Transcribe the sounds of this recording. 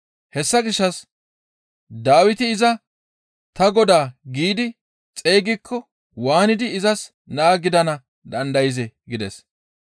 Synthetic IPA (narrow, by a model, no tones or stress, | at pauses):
hɛsːɐɡɪʃːɐs | d̪aːwɪt̪ɪɪzɐ | t̪ɐɡɔd̪aːɡiːd̪ɪ | t͡sʼe̞ːɡɪkʰːɔ | waːnɪd̪ɪːzɐs | naːɡɪd̪ɐnɐ | d̪ɐnd̪ɐjɪzɛɡɪd̪ɛs